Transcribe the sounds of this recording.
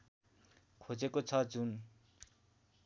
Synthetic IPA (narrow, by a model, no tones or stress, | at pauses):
kʰod͡zekot͡sʰʌd͡zun